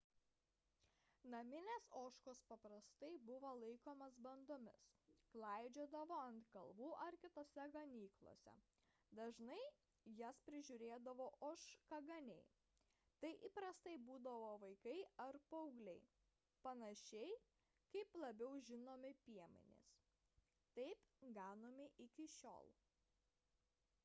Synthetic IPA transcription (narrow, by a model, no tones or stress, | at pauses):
nɐmʲɪnʲeːsoːʃkoːspɐpɾɐst̪ɐɪbʊʋoːlˠɐɪkoːmɐsbɐnd̪oːmʲɪ̰sklˠɐɪd͡ʒʲod̪ɐʋoːɐnt̪kɐlˠʋuːʔɐɾkʲɪt̪oːsʲɛɡɐnʲiːklˠo̰sʲɛ̰ | d̪ɐʒnɐɪ | jɛspʲɾʲɪʒʲʊɾʲeːd̪ɐʋoːʔoːʃkɐɡɐnʲɛɪ | t̪ɐɪʔiːpɾɐst̪ɐɪbuːd̪ɐʋoːʋɐɪkɐɪɐɾpɐʊɡlʲɛɪ | pɐnɐʃʲɛɪ | kɐɪplˠɐbʲɛʊʒʲɪnoːmʲɪpʲiɛmʲɪ̰nʲɪ̰s | t̪ɐɪpɡɑːnoːmʲɪʔɪkʲɪʃʲo̰ːlˠ